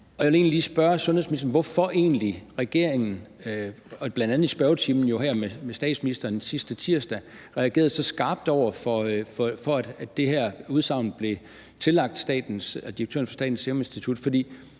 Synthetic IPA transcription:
ʔɒ̽jæle̝ːnliliːsb̥ɶɐsɔnheðˠsmiisd̥ɐn̩ʋɒfɒʔe̝̰ːnliʁɛɡ̥e̝̰ɐ̰eŋn̩ | ɒ̽b̥lænd̥ænð̩ˠisb̥ɶɐʊt͡sʰiːmn̩jo̝ɦæɐmemesd̥ɛ̰ːd̥sminisd̥ɐːnsisd̥ət͡sʰiɐsd̥æʁɛæɡ̥e̝̰ːɐð̩ˠsɒ̽sɡ̥ɑ̈ːb̥̚d̥ɒʊ̰ɐfɒ̽fɒfɒ̽æd̥æ̥ːe̝ɦæɐ̰uðˠsɑ̈ʊ̰nb̥le̝ | t͡sʰe̝lɑ̈ɡ̥̚d̥sd̥ɛ̰ːd̥n̩sd̥iɐɡ̥̚t͡sʰø̰ɐn̩fɒ̽sd̥ɛ̰ːd̥n̩seʊme̝nsd̥it͡sʰud̥fɒ̽d̥ḭː

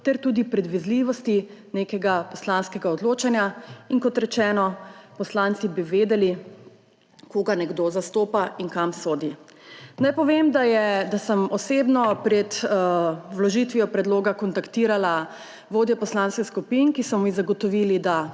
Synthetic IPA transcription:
t̪ɛɾt̪uːd̪ipɾɛd̪ʋizliʋɔst̪ineːkɛɡapɔslaːnskɛɡaɔd̪loːt͡ʃanjaiŋkɔt̪ɾɛt͡ʃɛːnɔpɔslaːnt̪sibiʋeːd̪ɛli | koːɡanɛɡd̪ozast̪oːpaiŋkamsoːd̪inajpɔʋemd̪ajɛd̪asəmɔseːbnɔpɾɛt̪ | wlɔʒit̪ʋijɔpɾɛd̪loːɡakɔnt̪akt̪iːɾala | ʋoːd̪jɛpɔslanskɛxskupinkisɔmizaɡɔt̪ɔʋilid̪a

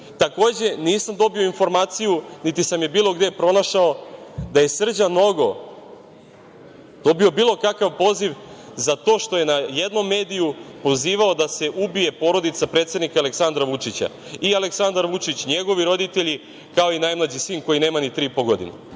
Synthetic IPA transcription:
t̪ako̞ːd͡ʑe̞niːsamd̪o̞bio̞info̞ɾmaːt̪sijunit̪isamjebiːlo̞ɡd̪epɾo̞naʃao̞d̪aje̞sr̩d͡ʑano̞ɡo̞ | d̪̥o̞bio̞biːlˠo̞kakaʋpo̞ːziʋzat̪o̞ːʃt̪o̞je̞najed̪no̞mːe̞ːd̪ijupo̞ziːʋao̞d̪ase̞ʔubije̞po̞ɾo̞d̪it̪sapɾe̞t̪se̞d̪nikaːle̞ksand̪ɾaʋut͡ʂit͡ɕa̰ | ialeksand̪aɾʋut͡ʂit͡ɕɲe̞ɡo̞ʋiɾo̞d̪it̪e̞ʎi | kao̞inajmlˠad͡ʑisiːŋko̞jineːmanit̪ɾiːipoɡo̞d̪ḭn̰

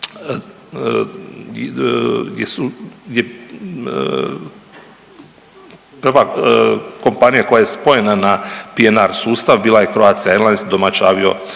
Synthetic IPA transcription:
jesuje | pr̩ʋa | ko̞mpanijako̞jaje̞spo̞jenanapienaɾsuːst̪aʋbiːlˠajekɾoaːt̪sijaelˠansd̪o̞mat͡ʃaːʋio̞̰

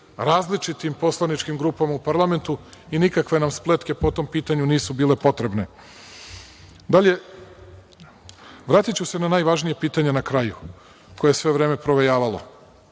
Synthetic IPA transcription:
ɾaːzlit͡ʃit̪impo̞slˠanit͡ʃkimɡɾuːpamaupaɾlˠame̞nt̪uinikakʋe̞namsplet̪ke̞po̞t̪o̞mpiːt̪aɲuniːsubiːle̞po̞t̪ɾe̞bne̞ | d̪aʎe̞ | ʋɾaːt̪it͡ɕuse̞nanaːjʋaʒnijepiːt̪aɲenakɾaju | ko̞jesʋe̞ʋɾe̞ːme̞pɾo̞ʋe̞jaːʋalo̞̰

